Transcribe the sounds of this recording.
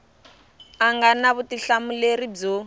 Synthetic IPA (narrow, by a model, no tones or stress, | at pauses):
aŋɡanaβutiɬamulerib͡ʐo